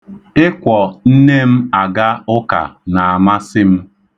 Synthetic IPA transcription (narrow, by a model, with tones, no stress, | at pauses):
ɪ˦kʷɔ˨n̩˦ne˦m̩˦a˨ɡa˦ʊ˦ka̰˨na˨a˨ma˦sɪ˦m̩˦